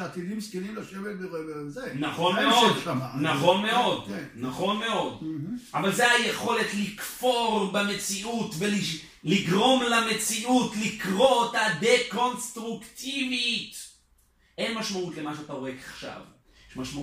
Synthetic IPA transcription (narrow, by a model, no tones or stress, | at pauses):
at̪idimskenimlaʃevelbeeezenaχo̞nmeod̪anaχo̞nme̞o̞d̪ennaχo̞nme̞o̞d̪ʔavalzeajeχo̞let̪likfo̞ʁbeme̞t͡siutveli | liɡʁo̞mlame̞t͡siʔutlikʁo̞t̪ad̪eko̞nst̪ʁukt̪ivit̪ | ʔe̞nmaʃmaut̪le̞maʃeat̪aoekaχʃa̰v | eʃmaʃma